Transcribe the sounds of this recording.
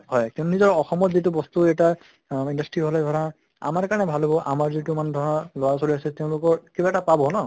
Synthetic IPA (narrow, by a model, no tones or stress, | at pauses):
hɔjkĩntunizɔɹɔxɔmɔtzitubɔst̪uɛta | indastɹiɦɔlɛdʱɔɹa | a̰maɹkaɹnɛbʱalɦobɔʔa̰maɹzitumandʱɔɹɔnɔlɔɹasoɹiasɛteʊ̃lʊkɔɹkibaɛtapabɔnɔ